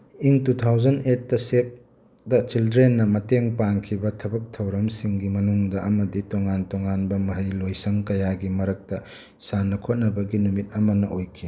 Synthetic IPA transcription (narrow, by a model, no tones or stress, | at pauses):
iŋtutʰawd͡ʒɐnet̚ːɐsep̚ | dɐt͡ʃildɾenːɐmɐteŋpaŋkʰibɐtʰɐbɐk̚tʰɐwɾɐmsiŋɡimɐnuŋdɐʔɐmɐditoŋantoŋanbɐmɐɦɐɾilojsɐŋkɐjaɡimɐɾɐk̚tɐ | sanːɐkʰot̚nɐbɐɡinumit̚ɐmɐnɐʔojkʰi